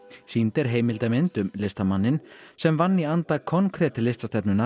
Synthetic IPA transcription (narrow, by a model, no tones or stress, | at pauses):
siːnt̪ɛɾ̥ɦeːjmɪlt̪amɪnt̪ʏmlɪst̪amanːɪnsɛmvanːiant̪akʰɔnkʰɾɛːt̪ɪlːɪst̪ast̪ɛpnʏna